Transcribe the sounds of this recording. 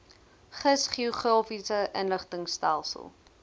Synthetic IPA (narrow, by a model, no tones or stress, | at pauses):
χəsχioχrɑːfisəʔənləχtəŋstælˠsə̰lˠ